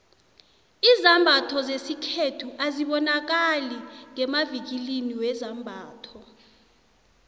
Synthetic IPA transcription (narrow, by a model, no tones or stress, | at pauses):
izambʱatʰɔzesikʰetʰuʔaziɓɔnak̬aliŋɛmavik̬iliniwɛzambʱaːtʰɔ